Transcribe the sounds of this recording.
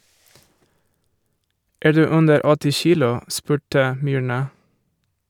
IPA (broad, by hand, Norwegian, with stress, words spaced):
ˈæːɾ ˈdʉː ˈʉndəɾ ˈɔtɪ ˈçiːlʊ ˈspʉːʈə ˈmʏɳɑ